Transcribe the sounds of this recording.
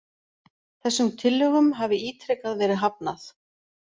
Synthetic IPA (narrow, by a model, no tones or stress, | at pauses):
θɛsːʏmt̪ʰɪlːʏɣʏmɦaːvɪiːt̪ʰɾɛkaðvɛːɾɪɦap̚naθ